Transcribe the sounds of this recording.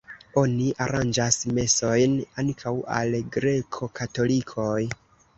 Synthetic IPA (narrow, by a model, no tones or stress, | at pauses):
o̞niʔaɾand͡ʒasme̞so̞jnaŋkʰawa̰lɡɾe̞kʰo̞kʰato̞likʰo̞j